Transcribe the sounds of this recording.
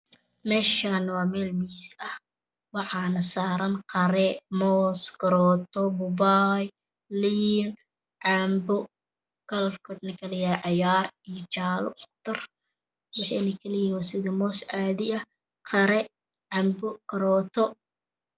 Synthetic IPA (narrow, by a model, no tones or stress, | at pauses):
mɛːʃanɐwɑːmɛːlmisɐh | wɑħɑnɐsaːɾɐnqɑɾɛmɔːskʰɐɾɔːt̪ʰɔbʊbaj | liːn | ʕɑːmbɔ | ɡ̥ɐlrkʰɔd̪nɐkʰɐlɛjaʕɑjaːrijɔt͡ʃaːlʊ̰ɔk̚t̪ʰɐr | wɑħɑ̰nɐkʰɐlɛjɪwasɪðimɔːsʕaːðɪɐ | qʰɑɾɛ | ʕɑːmbɔkʰɐɾɔːt̪ʰɔ